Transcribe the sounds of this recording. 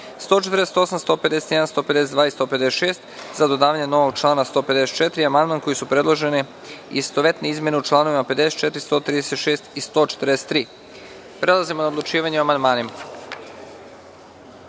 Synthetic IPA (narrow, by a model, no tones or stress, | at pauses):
st̪ot͡ʃet̪ɾd̪ese̥t̪o̞samst̪o̞ːpe̞d̪eset̪jed̪anst̪o̞ːpe̞d̪sed̪ʋaːist̪o̞pe̞d̪eset̪ʃe̞ːst̪zad̪o̞d̪aːʋaɲeno̞ʋoɡ̚t͡ʃlˠaːnast̪o̞ːpe̞d̪e̞set̪t͡ʃe̞t̪ɾiamand̪manko̞jisupɾe̞d̪lˠoʒe̞ne | ist̪oʋe̞t̪neizmʲje̞neut͡ʃlˠaːno̞ʋimape̞d̪e̞set̪t͡ʃe̞t̪ɾist̪o̞ːt̪ɾid̪eset̪ʃeːst̪ist̪o̞ːt͡ʃet̪ɾd̪ese̥t̪ːɾiː | pɾe̞lˠazimo̞naod̪lˠut͡ʃiːʋaɲeoamand̪maːnima